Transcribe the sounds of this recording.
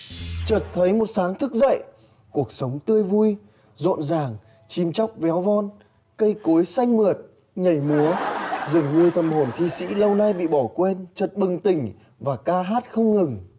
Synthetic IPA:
t͡ɕəː˨˩t̚t̪ʰə˨˦jmo˨˩t̚saː˨˦ŋt̪ʰɨ˦˥k̚zə̰˧˨j | ku˨˩ək̚sə˨˦wŋ͡mt̪ɨ˧əjvu˧j | zo̰˧˨nzaː˨˩ŋ | t͡ɕi˨˦mt͡ɕɔ˦˥wk͡p̚vɛ˨˦wvɔ˧n | kə˧jko˨˦jsa˧jŋ̟mɨ˨˩ət̚ | ɲə˧˩jmu˨˦əzɨ˨˩əŋɲɨ˧t̪ʰə˨˩mho˨˩nt̪ʰḭ˧˨sḭ˧˥lə˧wna˧jɓḭ˧˨ɓɔ˧˩kwe˧nt͡ɕə˨˩t̚ɓɨ˨˩ŋt̪ï˨˩ŋ̟ | vaː˨˩kaː˧ɦaː˦˥t̚xə˧wŋ͡mŋɨ˨˩ŋ

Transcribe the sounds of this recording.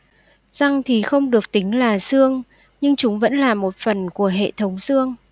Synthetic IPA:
z̥a˨˩ŋt̪ʰi˨˩xə˧wŋ͡mɗɨ˨˩ək̚t̪ï˨˦ŋ̟laː˨˩sɨ˧əŋ | ɲɨ˧ŋt͡ɕʊ˨˦ŋ͡mvə̰˧˥nlaː˨˩mo˨˩t̚fə˨˩nku˧˩əɦḛ˧˨t̪ʰə˨˦wŋ͡msɨ˧əŋ

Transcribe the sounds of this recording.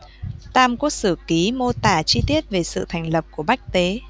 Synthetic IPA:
t̪aː˧mku˨˧˦əsɨ˧˩ki˨˦mo˧t̪aː˧˩t͡ɕi˧t̪i˦˥ət̚ve˨˩sɨ̰˧˨t̪ʰa˨˩jŋ̟lə˨˩p̚ku˧˩əɓa˦˥jk̟̚t̪e˨˦

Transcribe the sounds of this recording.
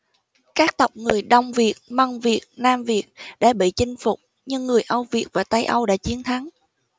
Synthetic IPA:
kaː˦˥k̚t̪ə˨˩wk͡p̚ŋɨ˨˩əjɗə˧wŋ͡mvi˨˩ət̚ma˧ŋvi˨˩ət̚naː˧mvi˨˩ət̚ɗa̰ː˧˥ɓḭ˧˨t͡ɕï˧ŋ̟fʊ˨˩k͡p̚ | ɲɨ˧ŋːɨ˨˩əjʔə˧wvi˨˩ət̚vaː˨˩t̪a˧jʔə˧wɗa̰ː˧˥t͡ɕi˨˦ənt̪ʰa˨˦ŋ

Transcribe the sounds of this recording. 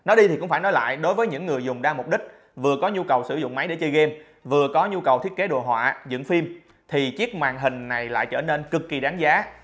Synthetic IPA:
nɔ˨˦ɗi˧i˨˩kʊ̰˧˥ŋ͡mfaː˧˩jnɔ˨˦jla̰ː˧˨jɗo˨˦jvəː˨˦jɲɨ̰˧˥ŋːɨ˨˩əjzʊ˨˩ŋ͡mɗaː˧mʊ˨˩k͡p̚ɗï˦˥k̟̚ | vɨ˨˩əkɔ˨˦ɲu˧kə˨˩wsɨ˧˩zʊ̰˧˨ŋ͡mma˨˦jɗe˧˩˦t͡ɕə˧jɣe˧m | vɨ˨˩əkɔ˨˦ɲu˧kə˨˩wt̪ʰi˦˥t̚ke˨˦˥ɗo˨˩ɦwa̰ː˧˨zɨ̰˧˥ŋfi˧m | t̪ʰi˨˩t͡ɕi˦˥ək̚mwa̰ː˧˨ŋɦï˨˩ŋ̟na˨˩jla̰ː˧˨jt͡ɕəː˧˩ne˧nkɨ˨˩kːi˨˩ɗaː˨˦ŋzaː˨˦

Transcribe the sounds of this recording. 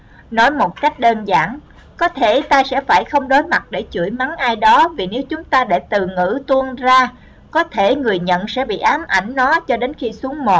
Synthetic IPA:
nɔ˨˦jmo˨˩t̚ka˦˥jk̟̚ɗe˧nza̰ː˧˩n | kɔ˨˦t̪ʰe˧˩t̪aː˧jsɛ̰˧˥faː˧˩jxə˧wŋ͡mɗo˨˦jma˨˩t̚ɗe˧˩t͡ɕṵ˧˩əjma˨˦ŋnʔaː˧jɗɔ˨˦vi˨˩ne˨˦wt͡ɕʊ˨˦ŋ͡mt̪aː˧ɗe˧˩t̪ɨ˨˩ŋɨ̰˧˥t̪u˧ənzaː˧ | kɔ˨˦t̪ʰe˧˩ŋɨ˨˩əjɲə̰˧˨nsɛ̰˧˥ɓḭ˧˨ʔaː˨˦mʔa˧˩jŋ̟nɔ˨˦t͡ɕɔ˧ɗe˨˦nxi˧su˨˦əŋmo˨˩

